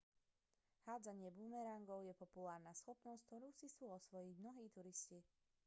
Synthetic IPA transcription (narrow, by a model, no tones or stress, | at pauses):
haːd͡zaɲɪɛbuːmɛɾaŋɡɔʊjɛpɔpulaːɾnasxɔpnɔst̪ɔɾuːsisuːɔsʋɔjiɟmnɔɦiːt̪uɾisci